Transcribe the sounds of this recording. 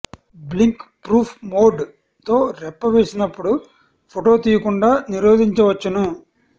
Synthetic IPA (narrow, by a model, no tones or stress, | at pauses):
bliŋkpɾuːpʰmoːɖ | t̪o̞ːɾɛpːɐʋe̞ːsinɐpːuɽu | pʰoʈo̞ːt̪iːjɐkuɳɖaːniɾoːd̪ʱiɲt͡ʃɐʋɐt͡ʃːɐnu